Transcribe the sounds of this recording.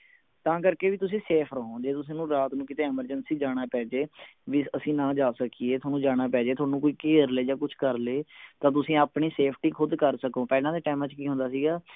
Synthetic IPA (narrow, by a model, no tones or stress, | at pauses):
t̪ãːkəɾkeːʋiːt̪ʊsĩːseːpʰɾəɦõːd͡ʒeːt̪ʊs̬ẽːnũːɾaːt̪nũːkɪt̪eːɛməɾd͡ʒənsiːd͡ʒaːɽ̃aːpɛːd͡ʒeːʋɪsəsĩːnãːd͡ʒaːsəkieːt̪ʰaːnũːd͡ʒaːɽ̃aːpɛːd͡ʒeːt̪ʰoaːnũːkoːiːkeːɾleːd͡ʒaːkʊt͡ʃʰkəɾleːt̪ãːt̪̬ʊsĩːaːpɳiːseːpʰʈiːkʰʊd̪kəɾsəkõːpɛːlãːd̪eːʈaːmãːt͡ʃkiːɦʊ̃nd̪aːsiːɡaː